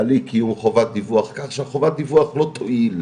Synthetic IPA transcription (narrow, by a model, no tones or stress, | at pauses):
alikijumχovat̪̚d̪ivuaχkaχʃɛaχovat̪̚d̪ivuaχlot̪ʰoʔil